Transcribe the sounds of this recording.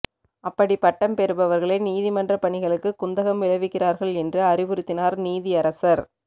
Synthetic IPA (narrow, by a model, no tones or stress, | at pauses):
ɐpːɐɽipɐʈːɐmpɛɾɯbɐʋɐɾɣɐɭɐɪniːðɪmɐndrɐpɐɳɪɣɐɭɯkːɯkːʊnd̪ɐɣɐmʋɪɻɐʋɪkːɪraːɾɣɐɭɛndrɯɐɾɪʋɯɾɯt̪ːɪnaːɾniːðɪɐɾɐsɐɾ